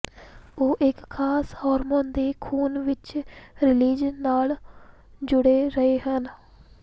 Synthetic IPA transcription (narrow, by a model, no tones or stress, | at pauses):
oːʔɪkkʰːaːshɔːɾmoːnd̪eːkʰuːnʋɪt͡ʃɾɪliːd͡ʒnaːl | d͡ʒʊɽeːɾəɦeːɦən